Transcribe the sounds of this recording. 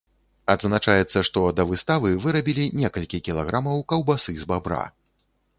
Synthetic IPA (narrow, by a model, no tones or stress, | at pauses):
ad̪znat͡ʂajɛt̪sːɐʂt̪ɔd̪ɐvɨst̪avɨvɨɾɐbʲilʲinʲɛkɐlʲkʲikʲilˠaɣɾamɐwkɐwbasɨzbabɾa̰